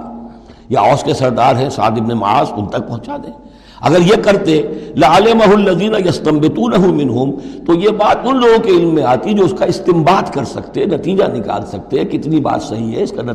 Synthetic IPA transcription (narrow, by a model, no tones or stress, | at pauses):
jaɔːskesɐɾd̪aːɾɦɛ̃sa̰ːd̪ɪbnemɐ̰a̰ːzʊnt̪ɐk̚pɐ̃ɦʊ̃t͡ʃad̪ẽː | ɐ̰ɡəɾjekɐɾt̪elɪʕalɪmɐɦʊɐlːɐðiːnɐjɐst̪ɐmbɪt̪uːnɐɦʊmɪnɦʊmt̪ojebaːt̪ʊnloːɡõkeɪlmːẽaːt̪id͡ʒoːʊskaɪst̪ɪmbaːt̪kɐɾsɐkt̪eɛnɐt̪iːd͡ʒa̰nɪka̰ːlsɐk̚t̪eɦɛ̃kɪt̪niba̰ːt̪sɐɦiɦɛɪskanɐ